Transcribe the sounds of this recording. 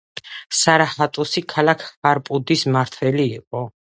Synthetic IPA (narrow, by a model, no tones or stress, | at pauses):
saɾahat̪ʼɔsikʰalakʰhaɾpʼud̪ismaɾt̪ʰwɛliːqʼɔ